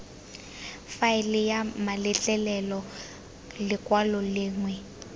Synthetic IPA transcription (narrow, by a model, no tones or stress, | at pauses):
faɪlɪjamalɪt͡ɬʼɛlɛlɔ | lɪkʼwalɔlɪːŋwɛ